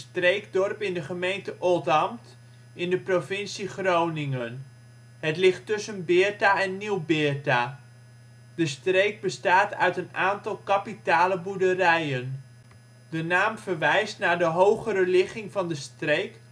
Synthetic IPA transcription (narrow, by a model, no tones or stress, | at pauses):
strejɡ̚dɔrpɪndəχəmejntəʔɔlˠtɑmt | ɪndəprovɪnsiχrownɪŋən | ɦətlɪχtɵsənbɪːɹtaɛnːiwbɪːɹta | d̥əstrejɡ̚bəstaːtœ̰ɥtənaːntɑlˠkapitaːləbudərɛjən | dənaːmvərʋɛjstnaːɹdəɦowχəɾəlɪχɪŋvɑndəstrejk